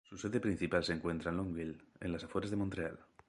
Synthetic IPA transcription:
suseðe̞pɾin̟θipalseŋkwe̞nt̪ɾanloŋɡilḛnlasafwoɾazðemõnt̪ɾea̰l

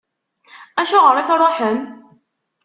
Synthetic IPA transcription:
æʃʊʁəɾˤiθɾˤoħəm

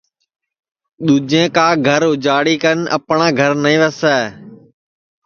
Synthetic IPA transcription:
ɗ̪uːd͡ʒẽːkaːɡʱəɾʊd͡ʒaːɽiːkənə̰pɳãːɡʱəɾnəĩːʋəsɛː

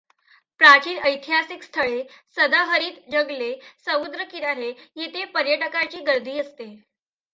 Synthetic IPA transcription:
pɾat͡ɕiːnʔəjt̪ʰiɦasikst̪ʰəɭesəd̪əɦəɾiːt̪d͡ʑəɡlesəmud̪ɾəkiɾaɾejet̪epəɾjəʈəkat͡ɕiːɡəɾd̪ʱiːəst̪e

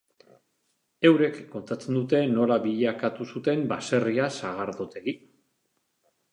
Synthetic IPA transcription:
e̞wɾe̞kːo̞nt̪at͡se̞nd̪ut̪e̞no̞laβiʎakat̪usut̪e̞mbase̞riasaɣ̞aɾðot̪e̞ɣi

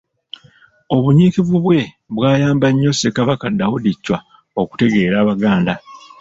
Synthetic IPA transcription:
o̞βuɲiːkiβuβwe̞ | βwaːjaːmbaɲːo̞sekaβakadaudicːwa | o̞ku̥te̞ɡe̞ːɾaːβaɡaːnda

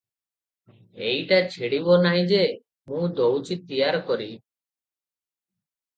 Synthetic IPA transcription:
ejʈat͡ʃʰiɽibɔnaɦĩd͡ʒe | mũd̪owt͡ʃit̪ːijaɾɔkɔɾi

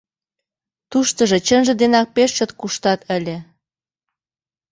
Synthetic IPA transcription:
t̪uʃt̪ə̆ʒĕt͡ɕənʒĕd̪enɑk̚peʃʃə̆t̪kuʃt̪ɑt̪əlʲĕ

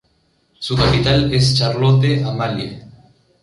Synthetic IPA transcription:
sukapit̪alest͡ʃaɾlot̪eamaljḛ

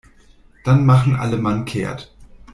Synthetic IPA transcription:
d̥anmaχn̩ʔa̰ləmankʰḛːɐt

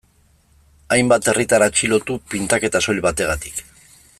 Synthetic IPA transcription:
ajmbat̪e̞rit̪aɾat͡ʃilo̞t̪upint̪ake̞t̪aso̞ʎβat̪e̞ɣat̪i̥k

